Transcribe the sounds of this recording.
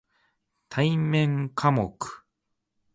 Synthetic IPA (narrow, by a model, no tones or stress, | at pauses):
t̪ʰaimẽ̞ŋkʰamo̰kɯ̥